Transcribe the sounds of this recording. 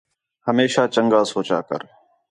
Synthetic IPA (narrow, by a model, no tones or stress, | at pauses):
həmeːʃaːt͡ʃəŋɡaːsoːt͡ʃa̰ːkə̰ɾ